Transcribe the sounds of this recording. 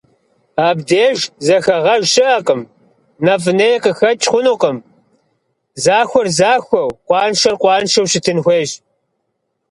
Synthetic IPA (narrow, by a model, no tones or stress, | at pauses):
aːbdeːʒzɐxɐʁɐʒɕɨaːqəm | nɐf̬ɨnɐjɛqəxɐt͡ʃʼχʷʊnuːqəm | zaːxʷɔrzaːxʷɔwqʷɑːnʃɐrqʷɑːnʃɐwʃɪtʰɨnxʷeːʒ